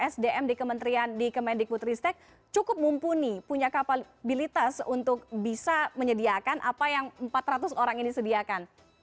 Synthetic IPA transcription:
ɛsdeʔɛmdikəmənt̪ɾiandikəmɛndik̚but̪ɾist̪ɛk̚ | t͡ʃukʊp̚mumpunipuɲakapa | bilit̪asunt̪ʊk̚bisaməɲədiakanʔapajaŋmpat̪rat̪usoɾaŋinisədiakan

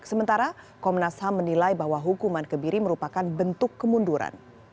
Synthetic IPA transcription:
səmənt̪aɾa | kɔmnashamːənilajbaɦwaɦukumankəbiɾiməɾupakanbənt̪ʊkːəmunduɾa̰n

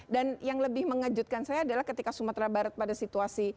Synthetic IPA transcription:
danjaŋləbɪhməŋad͡ʒut̪̚kansajaːdalahkət̪ikasumat̪ɾabaɾət̪̚padasit̪uasi

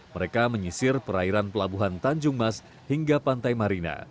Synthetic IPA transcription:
məɾekaməɲisɪrpəɾaiɾanpəlabuɦant̪aɲd͡ʒʊŋmas | hiŋɡapant̪ajmaɾina̰

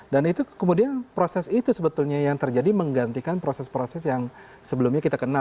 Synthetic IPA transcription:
danit̪ukəmudianpɾosɛsit̪usəbət̪ulɲajaŋt̪ərd͡ʒadiməŋɡant̪ikanpɾosɛspɾosɛsjaŋ | səbəlumɲakit̪akəna

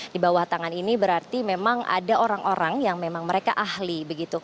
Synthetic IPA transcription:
dibawaht̪aŋaninibəɾart̪imemaŋa̰daoɾaŋʔoɾaŋjaŋmemaŋməɾeka̰ʔahlibəɡit̪u

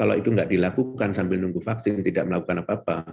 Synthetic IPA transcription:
kalo̰it̪uŋɡaʔdilakukansambɪlnuŋɡufaksɪnt̪idaʔməlakukanapaːpa̰

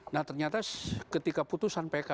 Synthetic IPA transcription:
naht̪ərɲat̪akət̪ikaput̪usanpeka

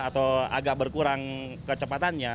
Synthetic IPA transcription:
at̪awa̰ɡak̚bərkuɾaŋ | kət͡ʃəpat̪anɲa

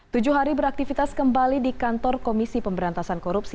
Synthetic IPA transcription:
t̪ud͡ʒuɦaɾibəɾak̚t̪ifit̪askəmbalidikant̪ɔrkomisipəmbəɾant̪asankoɾupsi

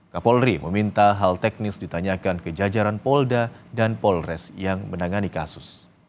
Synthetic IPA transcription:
kapɔlɾiməmint̪aɦalt̪ɛk̚nɪsdit̪aɲakankəd͡ʒad͡ʒaɾanpɔldadanpɔlrɛsjaŋmənaŋanikasʊs

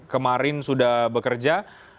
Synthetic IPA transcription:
kəmaɾɪnsudahbəkərd͡ʒa

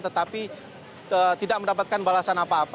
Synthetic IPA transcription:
t̪ət̪api | ət̪idaʔməndapat̪̚kanbalasanapaːp

